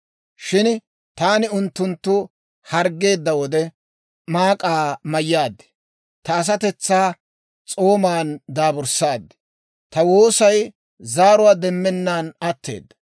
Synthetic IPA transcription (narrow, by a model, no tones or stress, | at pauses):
ʃɪn | t̪aːnɪʊnt̪ːʊnt̪ːʊ | hɐɾɡːe̞ːd̪ːɐwɔd̪ɛ | maːkʼaːmɐjːaːd̪ːɪ̥ | t̪ɐːs̬ɐt̪ɛt͡sːaː | t͡sʼo̞ːmaːnd̪aːbʊɾsaːd̪ːɪ̥ | t̪ɐwo̞ːsɐj | zaːɾʊwaːd̪ɛmːɛnːaːnɐt̪ːe̞̰ːd̪ːɐ̥